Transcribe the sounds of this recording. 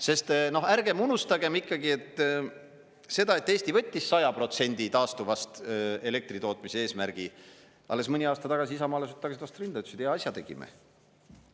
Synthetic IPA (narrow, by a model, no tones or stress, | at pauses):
se̞st̪no̞hæɾɡ̥e̞munust̪ɑɡe̞mikːɑɡie̞t̪ːˑ | se̞d̪ɑe̞t̪ːˑe̞ːst̪ivɤt̪ʲːisːɑjɑpro̞t̪se̞nʲd̪̥it̪ɑːst̪uvɑst̪e̞le̞k̚t̪rit̪o̞ːt̪ːˑmiseeːsmæɾɡ̥i | ɑ̰lːe̞smɯnʲiɑːst̪ɑt̪ɑɡɑs̬iisɑmɑːlesyt̪t̪ːɑɡɑsit̪vɑst̪rind̪̥ɑesyd̪ejɑɑsʲjɑt̪e̞ɡ̥ḭmḛ